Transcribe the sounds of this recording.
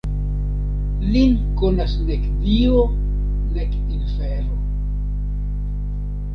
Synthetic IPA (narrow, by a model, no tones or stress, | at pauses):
linkonasnekdio | nek | infeɾo